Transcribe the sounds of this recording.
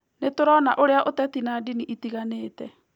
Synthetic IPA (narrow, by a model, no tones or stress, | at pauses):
netoɾɔnaʔoɾeaʔotɛtinaːdiniʔitiɣaneːtɛ